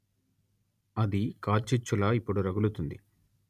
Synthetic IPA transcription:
ɐd̪ikaːt͡ʃit͡ʃːulaːipːuɽuɾɐɡulut̪und̪i

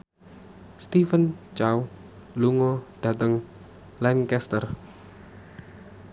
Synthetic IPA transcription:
st̪ifənt͡ʃaw | luŋɔd̪̥ä̤t̪əŋ | lɛŋkɛst̪ər

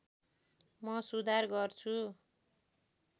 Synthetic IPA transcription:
mʌsud̪ʱarɡʌrt͡sʰu

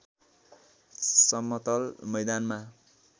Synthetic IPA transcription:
sʌmːʌt̪ʌlmʌjd̪anma

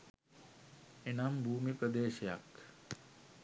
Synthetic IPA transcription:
enambʱuːmipɾəd̪eːʃeja̰k

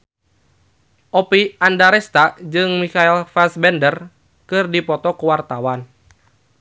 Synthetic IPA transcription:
ʔɔpiʔandaɾɛst̪ad͡ʒɨŋmikailfasbɛndər | kɨrdipɔt̪ɔkuwart̪awan

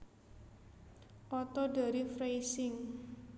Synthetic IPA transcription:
ʔɔt̪ɔdaɾifɾejsɪŋ

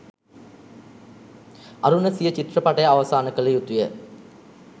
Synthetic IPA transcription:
ɐɾunɐsijət͡ɕiʈrɐpɐʈɐjaʋɐsaːnɐkɐlejut̪ːujə

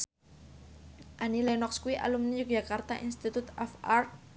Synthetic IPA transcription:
ʔanilanɔkskuiʔa̰lumnijuk̚d͡ʒ̥akart̪aʔinst̪it̪ut̪ɔfart̪̚

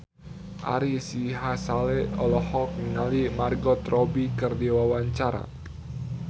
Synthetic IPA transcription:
ʔa̰ɾisiɦasalɛɔlɔhɔk̚niŋalimarɡɔt̪rɔbikɨrdiwawaɲt͡ʃaɾa̰

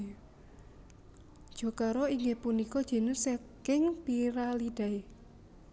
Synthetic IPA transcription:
d̥ʒ̥ɔ̤kaɾɔiŋɡepunikɔd̥ʒ̥e̤nɪsekɪŋpiɾalid̥a̤e

